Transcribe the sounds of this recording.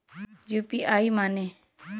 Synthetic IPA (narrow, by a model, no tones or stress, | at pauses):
d͡ʒupiʔaːimane